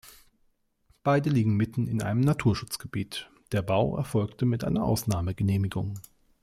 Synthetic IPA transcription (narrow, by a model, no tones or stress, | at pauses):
b̥aɪdəliːɡŋ̩mɪtn̩ɪnʔa̰ɪnəmnatʰuːɐʃʊt͡sɡ̥əbiːt | d̥eːɐbaʊʔɛ̰ɐfɔlktəmɪtʔa̰ɪnɐʔa̰ʊsnaːməɡəneːmɪɡʊ̰ŋ